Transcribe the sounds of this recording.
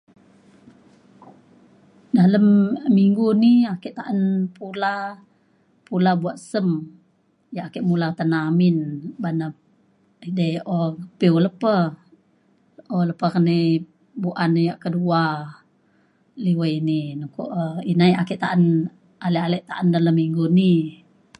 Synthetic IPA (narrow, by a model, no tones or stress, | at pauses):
daləmːiŋɡuniakiʔt̪aʔənpula | pulabuwaʔsəm | jaʔakəʔmulat̪anaminbana | idəʔoəpiwləpə | ʔoləpəkənə | buʔanjaʔkədua | liwəininəko̰ʔinajakiʔt̪aʔən | aləʔaləʔt̪aʔəndaləmːiŋɡuni